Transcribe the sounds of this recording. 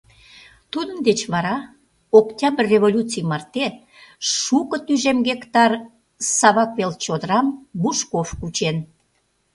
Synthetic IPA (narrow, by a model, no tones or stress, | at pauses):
t̪ud̪ənd̪et͡ɕβɑɾɑ | oktʲɑbrrːeβolʲut͡sɨjmɑrt̪e | ʃukət̪yʒemɡekt̪ɑr | sɑβɑkβelt͡ɕod̪əɾɑmbuʃkofkut͡ɕen